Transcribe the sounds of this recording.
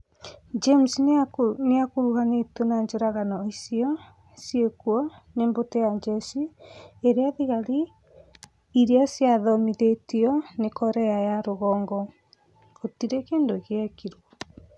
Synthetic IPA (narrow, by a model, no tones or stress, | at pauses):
d͡ʒemsneakoɾuɦanetonaɲd͡ʒoɾaɣanɔisiɔ | siekuɔneːmbotɛjad͡ʒɛsieɾeaðiɣaɾi | ɾeasjaðɔmiðetiɔnekɔɾɛajaɾoɣɔːŋɡɔ | otiɾekeːndoɣeakiɾwɔ